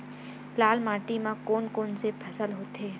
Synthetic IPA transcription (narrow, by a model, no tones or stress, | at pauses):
plaːlmaːʈimãkoːnkoːnsepʰɐsəlɦoːt̪ʰeː